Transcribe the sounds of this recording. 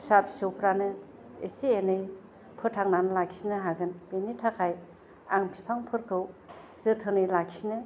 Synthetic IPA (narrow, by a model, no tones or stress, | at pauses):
sapʰi̥sɯwpʰɾanɯ | ḛsienɯj | pʰɯɾtʰaŋnanɯlaksinɯɦaɡɯnb̥enitʰakʰaj | aŋpʰipʰaŋpʰɯɾkʰɯw | z̥ɯtʰɯnɯjlak̚sinɯ